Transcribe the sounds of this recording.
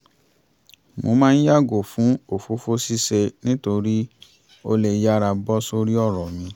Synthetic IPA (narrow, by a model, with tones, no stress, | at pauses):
mo˧˦mãː˦˧n̩˦ja˦˨ɡo˨fũ˨˦o˨fo˨˦fo˦si˦se˧nĩ˦to˧ɾi˦ | o˧le˧ja˦ɾa˧bɔ˦so˧ɾi˦ɔ˦˨ɾɔ˨mĩ˧˦